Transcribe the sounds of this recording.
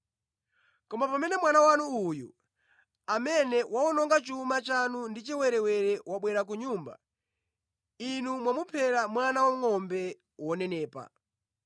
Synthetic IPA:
kɔmapamɛnɛmwanawanuːjṵ | amɛnɛwaɔnɔŋɡat͡ʃumat͡ʃanundit͡ʃɛwɛɾɛwɛɾɛwaɓwɛɾak̬uɲuːmba̰ | inumwamupʰɛɾamwanawaŋɔmbɛ | wɔnɛnɛːpa̰

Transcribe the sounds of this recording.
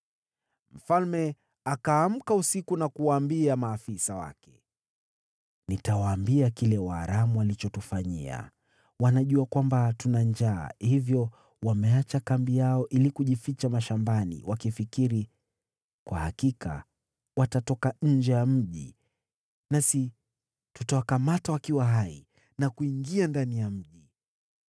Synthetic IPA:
m̩falmɛ | akaːm̩kausikunakuwaːmbiamaːfisawa̰kɛ̥ | nitawaːmbiakilɛwaːɾamuwalit͡ʃɔtufaɲḭa̰ | wanaʄuakwambatunand͡ʒa̰ːhivjɔ | wamɛat͡ʃakambijaɔʔilikuʄifit͡ʃamaʃambanḭwʔakifikiɾi | kwa̰hakika̰ | watatɔkaɲ̩d͡ʒɛjam̩ʄi | nasi | tutawakamatawakiwaɦaḭ | nakuiŋɡiandanijam̩ʄi

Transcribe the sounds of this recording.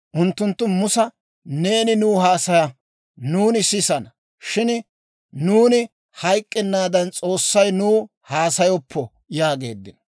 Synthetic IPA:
ʔʊnt̪ːʊnt̪ːʊmʊsɐ | ne̞ːnɪnuːhaːsɐjɐ | nuːnɪsɪsɐnɐ | ʃɪn | nuːnɪ | hɐjkʼːɛnːaːd̪ɐnt͡sʼo̞ːsːɐjnuː | haːsɐjɔpʰːɔ | jaːɡe̞ːd̪ːɪn

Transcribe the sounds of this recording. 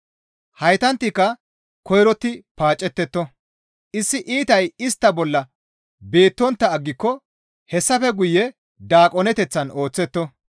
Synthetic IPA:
hɐjt̪ɐnt̪ːɪkːɐ | kɔjɾɔt̪ːɪpaːt͡ʃʼːɛt̪ːɛt̪ːɔ | ʔɪsːɪʔiːt̪ɐjɪst̪ːɐbɔlːɐ | be̞ːt̪ːɔnt̪ːɐːɡːɪkːɔ | hɛsːɐfɛɡʊjːɛ | d̪aːkʼɔnɛt̪ɛt͡sːɐno̞ːt͡sːɛt̪ːɔ

